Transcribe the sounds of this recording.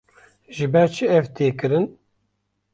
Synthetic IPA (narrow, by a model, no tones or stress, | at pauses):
ʒɨbɛɾt͡ʃʰɨɛvt̪ʰeːkɨɾɨn